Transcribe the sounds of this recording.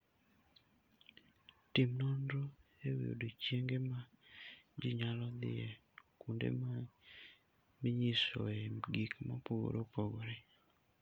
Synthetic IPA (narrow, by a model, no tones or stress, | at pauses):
timnɔnɾoew̰o̰dot͡ʃjeŋɡema | d͡ʒɪɲalɔd̪ɪ̰e | kundḛ | mɪɲiso̰eɡikmapoɡo̰ɾopoɡoɾɛ